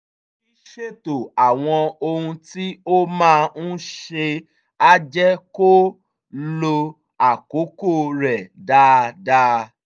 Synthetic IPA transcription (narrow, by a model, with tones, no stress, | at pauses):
i˦ʃe˦to˨a˨w̃ɔ̃˧o˧hũ˧ti˦o˦mãː˦˧n̩˦ʃe˧ | a˦d͡ʒɛ˦ko˦ | lo˧ | a˨ko˨˦ko˦˨ɾɛ˨da˧˦da˦˧˦